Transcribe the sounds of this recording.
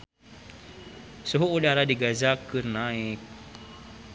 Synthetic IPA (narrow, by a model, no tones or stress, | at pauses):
suɦuʔudaɾadiɡazakɨrnaɪk̚